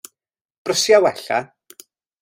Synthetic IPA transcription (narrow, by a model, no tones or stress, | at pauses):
b̥rəsjawɛɬa̰